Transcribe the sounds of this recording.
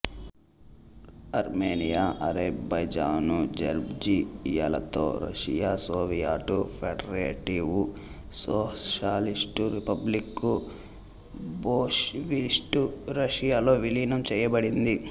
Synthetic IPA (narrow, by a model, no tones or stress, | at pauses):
ɐɾmeːnijaːʔɐɾebɐjd͡ʒaːnud͡ʒɐ̰ɾbd͡ʒija̰ːlɐ̰t̪o̞̰ːɾɐ̰ʂijaːsoːʋijaːʈupʰeɖɐɾeːʈiʋu | soːʃaːlisʈuɾipɐblikːu | boːʂʋisʈuɾɐʂijaːlo̞ːʋiliːnɐmt͡ʃɛːjɐbɐɽind̪i